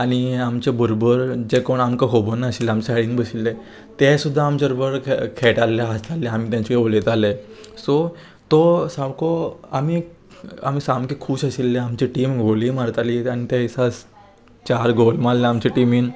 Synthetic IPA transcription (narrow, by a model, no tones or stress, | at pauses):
aɽ̃iamt͡ɕebəɾobəɾd͡ʑekoɳamkaɦobənaəɕilːamt͡ɕaɭiːnbəɕilːe | t̪esud̪ʱːaːmt͡ɕaɾbəɾkʰeʈalːaast̪alːeam̤iːt̪jãɲt͡ɕikeolet̪ale | so | t̪ɔsawkʰoami | a̰m̤iːsamkekʰuːɕəɕilːeamt͡ɕiʈiːmɡʱoliːmaɾt̪aliañit̪ɛsas | t͡ɕaɾɡolmalleamt͡ɕeʈimiːn